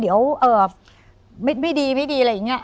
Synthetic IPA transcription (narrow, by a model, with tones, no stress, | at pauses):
di˩˦əwʔɤː˨˩ | ma˥˩ma˥˩jdiː˧ma˥˩jdiː˧a˧˩ja˨˩ŋːni˦˥ɐ˨